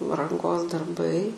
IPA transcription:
rɐŋˈɡoːs dɐrˈbɐɪ

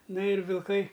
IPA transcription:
ˈnɐ ɪr ʋʲɪlˠˈkɐɪ

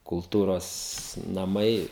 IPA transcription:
kʊlˠˈtuːroːs nɐˈmɐɪ

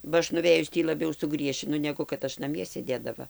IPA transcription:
bɐ ˈɐʃ nʊˈʋʲeːjʊs ˈtʲiː lˠɐˈbʲɛʊ sʊˈɡrʲiɛʃʲɪnʊ ˈnʲæːɡʊ kɐt ˈɐʃ nɐˈmʲiɛ sʲeːˈdʲeːdɐʋɐ

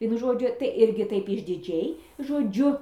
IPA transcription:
ˈʋʲiɛnʊ ˈʒoːd͡ʒʲʊ tɐɪ ˈɪrʲɡʲɪ ˈtɐɪp ɪʒʲdʲɪˈd͡ʒʲɛɪ ʒoːˈd͡ʒʲʊ

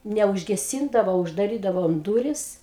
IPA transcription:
nʲɛʊʒʲɡʲɛˈsʲiːndɐʋoː ʊʒdɐˈrʲiːdɐʋoːm ˈduːrʲɪs

